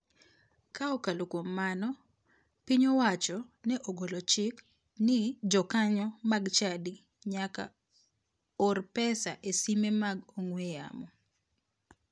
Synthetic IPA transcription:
kaɔkalokwomːanɔ | piɲowat͡ʃɔnɛʔoɡolot͡ʃɪk | nɪd͡ʒɔkaɲɔmaɡt͡ʃadi | ɲaka̰ | ɔrpɛsaʔesimemaɡoŋweja̰mɔ

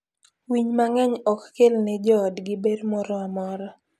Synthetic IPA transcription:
wiɲmaŋɛɲɔkːelnɛd͡ʒɔdɡɪbeɾmɔɾɔamɔɾɔ

